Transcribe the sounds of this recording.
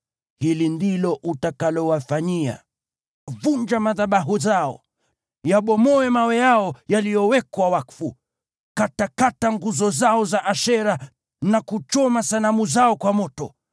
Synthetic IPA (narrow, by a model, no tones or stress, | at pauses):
hilindilɔʔutakalɔwafaɲia̰ | vuɲd͡ʒamaðaɓaɦuzaɔ̰ | jaɓɔmɔɛmawɛjaɔjalijɔwɛkwawakfu | katakataŋɡuzɔzaɔzaʔaʃɛɾa | nakut͡ʃɔmasanamuzaɔkwamɔtɔ